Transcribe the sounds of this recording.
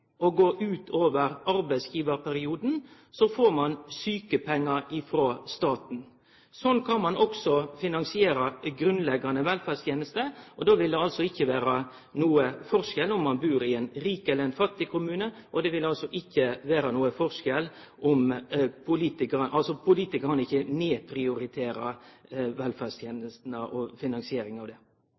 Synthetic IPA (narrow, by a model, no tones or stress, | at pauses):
ɔɡoːʔʉːt̪ʰoːʋəɾɑɾbæɪsjiːʋəɾpʰæɾɪuːd̪n̩ | sɔfoːɾmɑnsyːkəpʰɛŋːɑɾɪfɾoːst̪ɑːt̪n̩ | sɔnkʰɑnmɑnɔksɔfɪnɑnsɪeːɾɑɡɾʉnlɛɡːɑnəʋɛlfæst̪ʰjeːnəst̪əʔɔd̪oːʋɪld̪ɛɑlsɔɪçːəʋeːɾɑ | nuːəfɔɾʂɛlɔmːɑnbʉːɾɪɛnɾiːkɛlːəɾɛnfɑt̪ːɪkʰʊmʉːnəʔɔd̪ɛʋɪlɑlsɔʔɪçːəʋeːɾɑnuːəfɔʂkɛl | ʔɔmpʰʊliːt̪ɪkəɾnʔɑlsɔpʰʊliːt̪ɪkəɾɑnɪçːəneːpʰɾɪʊɾɪt̪ʰeːɾɑʋɛlfæst̪ʰjeːnəst̪n̩əʔɔfɪnɑŋsɪeːɾɪŋɑʋd̪ɛː